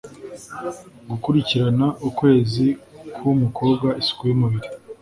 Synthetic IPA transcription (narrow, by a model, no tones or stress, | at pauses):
ɡukuɾiciɾanaʔukwe̞ːzikʰwumuko̞ːbɡaʔisu̥kujomuβiɾi